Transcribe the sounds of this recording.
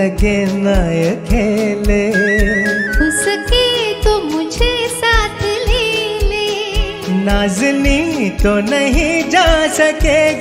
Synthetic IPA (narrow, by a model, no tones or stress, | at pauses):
əkenajəkʰeːle | ʊsəket̪omʊd͡ʒʱesaːt̪ʰleːleː | naːzɪnit̪onɐɦĩd͡ʒaːsəke